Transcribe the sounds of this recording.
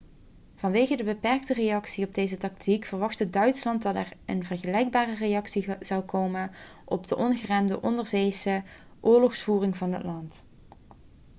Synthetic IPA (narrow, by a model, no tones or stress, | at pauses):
v̥ɑnʋejɣədəbəpɛɹk̚tərejɑksiɔb̚dejzətɑk̚tʰikfərʋɑχtədœɥtslɑnt̚dɑtɛrənvərχəlɛjɡ̚baːrərejɑksiz̥ɑwkowmən | ʔɔbdəʔɔnɣəraːmdəʔɔndəɹzejsə | ʔʊːɹlɔxsfuːrɪŋvɑnɦə̰tlɑnt